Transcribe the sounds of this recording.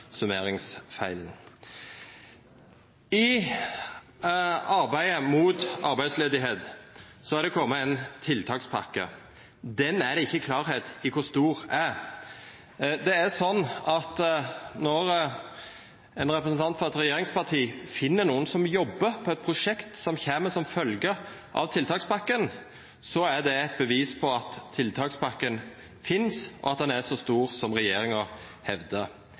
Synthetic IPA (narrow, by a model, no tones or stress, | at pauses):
sʉmeːɾɪŋsfæɪln̩ | ɪ | ɑɾbæɪəmuːt̪ɑɾbæɪsleːd̪ɪɦeːd̪sɔɛd̪ɛkʰɔmːəɛnt̪ʰɪlt̪ʰɑːkspʰɑkːə̰ | d̪ɛnæd̪ɛɪçːəkʰlɑːɾheːt̪ɪkʰʊst̪uːɾæ | d̪ɛæsɔnːɑt̪nɔɾ | ɛnɾɛpɾəsn̩t̪ʰɑnt̪fɔɾɛt̪ɾɛjeːɾɪŋspɑt̪ʰiːfɪnːənuːənsɔmjɔbːəɾpʰɔɛt̪̚pʰɾʊʂɛkt̪sɔmçeːməsɔmfœlɡəʔɑ̰ʋt̪ʰɪlt̪ʰɑːkspʰɑkːən | sɔæd̪ɛɛt̪̚bəʋiːspʰɔɑt̪ʰːɪlt̪ʰɑːkspʰɑkːən | fɪnsʔɔ̰ɑt̪̚d̪ɛnæʂɔst̪uːɾsɔmɾɛjeːɾɪŋə | hɛʋd̪ə